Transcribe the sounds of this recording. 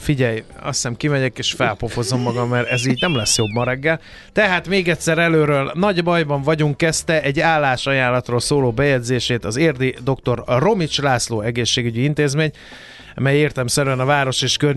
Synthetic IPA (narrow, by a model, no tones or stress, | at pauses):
fiɟɛjɒ̰sɛmkimɛɟɛkeːʃfɛlpofo̞zo̞mːɒɡɒmːɛɾɛziːɟnɛmlɛsjo̞bːɒɾɛɡːɛl | t̪ɛɦaːt̪meːɡɛt̪ʲsɛɾɛløːɾøːlnɒɟbɒjbɒɱvɒɟuŋkːɛst̪ɛʔɛɟːaːlːaːʃɒjaːlːɒt̪roːlsoːloːbɛjɛɟzeːʃeːt̪ɒzeːrd̪id̪o̞kt̪o̞rro̞mit͡ʃlaːsloːɛɡeːʃːeːɡyɟiint̪eːzmeːɲ | mɛjeːrt̪ɛmsɛɾyɛnɒvaːɾo̞ʃeːʃkør